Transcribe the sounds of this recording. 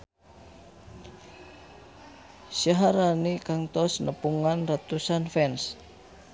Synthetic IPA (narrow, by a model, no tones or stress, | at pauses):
saɦaɾanikaŋt̪ɔsnəpuŋanrat̪usanfɛns